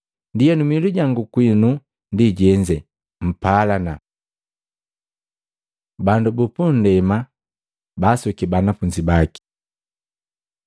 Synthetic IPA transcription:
ndijɛnumiluɟaŋɡukwinu | ndiɟɛɲd͡ʒɛ | m̩palana | bandubupun̩dɛma | basukibanafuɲd͡ʒibaki̥

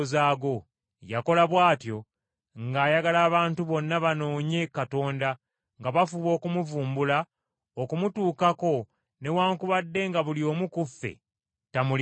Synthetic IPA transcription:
zaːɡo̞ | ja̰ko̞laβwaːtjo̞ | ŋɡaːjaɡalaːβaːntuβo̞nːaβano̞ːɲekato̞ːnda | ŋɡaβafuβo̞ːkumuvuːmbula | okumutuːkako̞ | ne̞waːŋkuβadːe̞ŋɡaβulio̞ːmukufːḛ | tamul

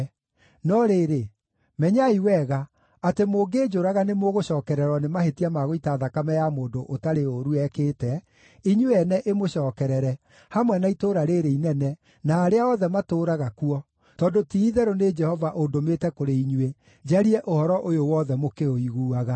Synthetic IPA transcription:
nɔɾeɾe | mɛɲaiwɛɣa | atemoːɡeːd͡ʒoɾaɣanemoɣoɕɔːkɛɾɛɾwɔnemahetiamaɣoitaːðakamɛjamoːndoʔotaɾeoɾuɛkeːtɛ | iɲueɛnɛʔemoɕɔːkɛɾɛɾɛ | hamwɛnaitoɾaɾeɾeinɛnɛ | naːɾeaɔðɛmatoɾaɣakuɔ | tɔːndotiːðɛɾoned͡ʒɛhɔvaʔodometɛkoɾeiɲue | d͡ʒaɾiɛʔohɔɾɔʔojowɔðɛmokeoiɣuːaɣa

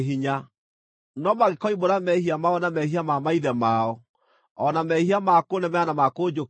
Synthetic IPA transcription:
ɦiɲa | nɔmaɣekɔiboɾamɛhiamaɔnamɛhiamamaiðɛmaɔ | ɔnamɛhiamakonɛmɛanamakod͡ʒo

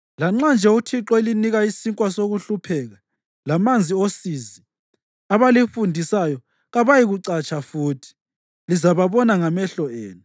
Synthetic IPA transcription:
laŋ͡ǁand͡ʒʱɛutʰiǁɔeliniɣaisiŋkʼwasoɣuɬupʰɛɣa | lamand͡zʱiosizi | aβalifundʱisajɔ | ɣaβajiɣuǀat͡ʃʼafuːtʰi̥ | lizaβaβɔnaŋamɛɬɔeːnu

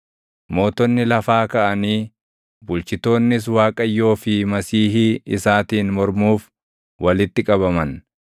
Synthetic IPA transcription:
mo̞ːt̪ɔnːɪlɐfaːkɐʔɐniː | bʊlt͡ʃɪt̪o̞ːnːɪs̬waːkʼɐjːo̞ːfɪmɐsiːhɪɪsaːt̪iːnmɔɾmuːf | wʔɐlɪt̪ːɪkʼɐβɐmɐn

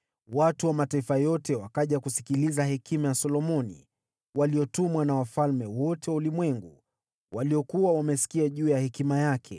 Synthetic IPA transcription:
watuwamataifajɔtɛwakaʄakusi̥kilizahɛkʰimajasɔlɔmɔnḭ | waliɔtumwanawafalmɛwɔtɛwaulimwɛŋɡu | waliɔkuwawamɛsi̥kiaʄuːjahɛkimajakʰɛ̰

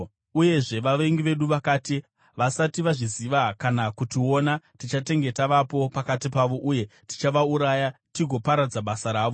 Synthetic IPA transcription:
uje̞ʐe̞ʋaʋe̞ŋɡiʋe̞ɗuʋakaːti | ʋasatiʋaʐiziʋakanakutio̞natit͡ʃate̞ŋɡe̞taʋapo̞pakatipaʋo̞ʔuje̞ti̥t͡ʃaʋauɾaːjatiɡʱo̞paɾad͡zaɓasaɾaːʋo

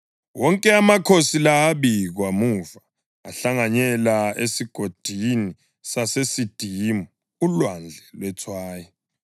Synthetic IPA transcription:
wɔŋkʼɛamakʰosilaːβiɣwamuvaː | ɬaŋaɲɛlaesiɡ̥ʱod̥ʱini | sasesid̥ʱiːmɔ | ulwand͡ɮʱɛlwɛtʰwaːjɔ

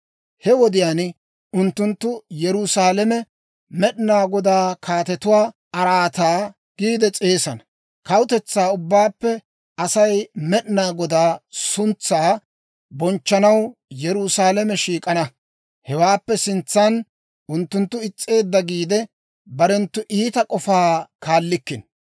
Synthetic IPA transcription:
hɛwɔd̪ɪjaːn | ʊnt̪ːʊnt̪ːʊjɛɾʊsaːlɛmɛ | mɛɗnaːɡɔd̪aːkʰaːt̪ɛt̪ʊwaː | ɐɾaːt̪aː | ɡ̥iːd̪ɛt͡sʼe̞ːsɐnɐ | kɐwʊt̪ɛt͡sːaːʊbːaːpːɛ | ɐsɐjmɛɗnaːɡɔd̪aːsʊnt͡sːaː | bɔnt͡ʃːɐnɐwjɛɾʊsaːlɛmɛʃiːkʼɐnɐ | hɛwaːpːɛsɪnt͡sːɐn | ʔʊnt̪ːʊnt̪ːʊɪt͡sʼːe̞ːd̪ːɐɡiːd̪ɛ | bɐɾɛnt̪ːʊʔiːt̪ɐkʼɔfaːkaːlːɪkːɪn

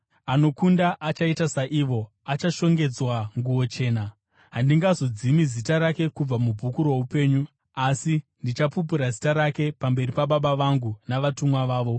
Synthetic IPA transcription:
ano̞kundaʔat͡ʃaitasaʔiʋo̞ | at͡ʃaʃo̞ŋɡe̞d͡zwaŋɡuwo̞t͡ʃe̞ːna | ɦandiŋɡazo̞d͡zimizitaɾake̞kub͡vamub͡vʱukuɾoupe̞ːɲu | asindit͡ʃapup̬uɾazitaɾake̞pambe̞ripaɓaɓaʋaŋɡunaʋatumwaʋaːʋo̞

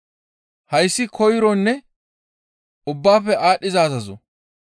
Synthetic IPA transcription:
hɐjsːɪkʰɔjɪɾɔnːɛ | ʊbːaːfɛʔaːɗːɪzaːzɐzɔ̰

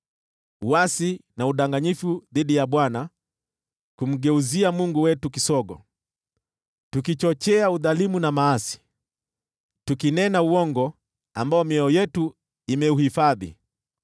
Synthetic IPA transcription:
uwasinauɗaŋɡaɲifuðiɗijaɓwana | kum̩ɡɛuziamuŋɡuwɛtukisɔɡɔ̰ | tukit͡ʃɔt͡ʃɛauðalimunamaasi̥ | tukinɛnauɔŋɡɔ | ambaɔmɛɔjɛtu | imɛuhifaðḭ

